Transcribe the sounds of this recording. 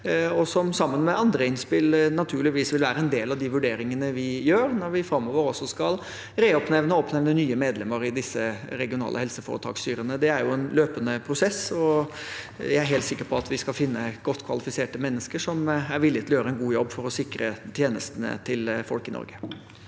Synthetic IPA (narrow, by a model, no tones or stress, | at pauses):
ɔsɔmsɑmːənmɛɑnd̪ɾəɪnspɪlnɑt̪ʰʉːɭɪʋiːsʋɪlʋæːɾəɛnd̪eːlɑʋd̪ɪʋʉɖeːɾɪŋənəʋɪjøːɾnɔɾʋɪfɾɑmːɔːʋəɾɔsːɔskɑl | ɾeɔpnɛʋnəɔpnɛʋnənyːəmeːd̪lɛmːəɾɪd̪ɪsːəɾɛɡɪʊnɑ̰ːlʔə̰ɦɛlsəfo̰ːɾət̪ʰɑ̰ːkst̪yːɾənəd̪ɛæɾjʊɛnløːpənəpʰɾʊsɛsɔ | jææɾɦeːlt̪sɪkːəɾpʰɔɑt̪ʋɪskɑlfɪnːəɡɔt̪ːkʰʋɑlɪfɪseːʈəmɛnːəskəʂɔmæɾʋɪlɪt̪ɪɔjøːɾəɛnɡuːjɔbːfɔɾɔsɪkɾə̰t̪ʰjeːnəst̪ənə̰t̪ʰɪlfɔlkɪnɔ̰ɾɡə̥